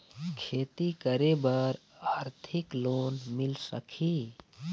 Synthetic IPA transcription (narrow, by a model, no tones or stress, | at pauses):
kʰeːt̪ikəɾebəɾaːɾt̪ʰiklonmilsə̰kʰi